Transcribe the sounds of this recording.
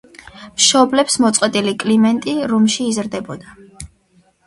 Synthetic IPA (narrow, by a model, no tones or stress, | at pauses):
mʃɔblɛpsmɔt̪sʼqʼwɛt̪ʼilikʼlimɛnt̪ʼiɾumʃiːzɾd̪ɛbɔd̪a